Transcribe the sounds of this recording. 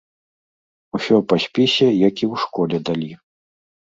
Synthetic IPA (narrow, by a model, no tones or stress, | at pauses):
usʲɔpasʲpʲisʲɛjakʲiwʂkɔlʲɛd̪alʲi